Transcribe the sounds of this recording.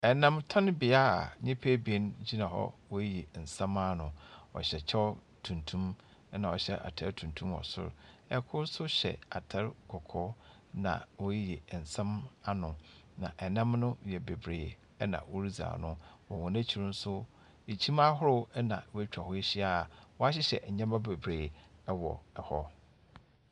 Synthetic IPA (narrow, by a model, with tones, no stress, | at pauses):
ɛ˨nã˦mtʰã˦n˦bɪ˨a˦˨ɲɪ̃˦pʰe˦be˦nd͡ʑi˦nã˨ɦɔ̰˦wɔ˦je˨n̩˨sã˦ma˦nʊ̃˨ɔ̰˨ɕɛ˨t͡ɕʰɛ˦ɔ˦ | tʰũ˨ntʰũ˦m˦ | nã˨ɔ˨ɕɛ̰˦ʔa̰˨tʰɛ˦ɾtʰũ˨n˨tʰũ˦mɔ̰˨sʊ̰˦ɾɛ˨kʰʊ˦ɾsʊ˦ɕɛ̰˨a˨tʰɛ˦ɾɡɔ˨kʰɔ˦ | nã̰˨wɔ˦jjɛ˨n̩˨sã˦ma˦nʊ̃˨nã̰˨ʔɛ˨nã˦mnʊ̃˦jɛ˨be˨bɾeː˨ | ɛ˦nã̰˨wɔ˦ɾi˦za̰ː˨nʊ̃˦wɔ˨wɔ̃˨næ̃˦t͡ɕʰi˦ɾʊ̃˦n̩˦sʊ˦ | e˨t͡ɕʰi˦ma˦ɦʊ˦ɾʊ˦ɛ˦nã˨wt͡ɕᶣa˨hʊ˦e˦ɕi˦a˦˨wɔ˦a˦ɕɪ˦ɕɛ̰˨ɲã˦mã˦be˨bɾeː˨ɛ˦wɔ˨ɛ˨hɔ˦